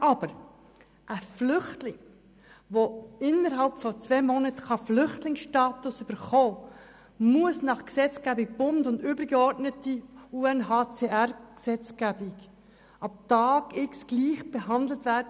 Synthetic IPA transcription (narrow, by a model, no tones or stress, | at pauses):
ʔɑb̥əɾ | ʔəflʏχtlɪŋ | ʋoɪnəɾɦɑlpfɔt͡svɛmɔnətχɑflʏχtlɪŋsʃtɑːt̪ʊsʏb̥əɾχoː | muəsnɑχksɛt͡skæbɪk̚b̥ʊndʊndʏbəɾɡəɔɾdnətiuːɛnɦɑːt͡seːæɾksɛt͡skæbɪɡ | ʔɑp̚tɑːɡ̥ɪksɡ̥liːχb̥ɛɦɑnd̪l̩tvæɾdə